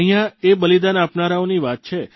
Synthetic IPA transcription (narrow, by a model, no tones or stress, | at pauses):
əɦijãebəlid̪anapnaɾaoniʋat̪̚t͡ʃʰe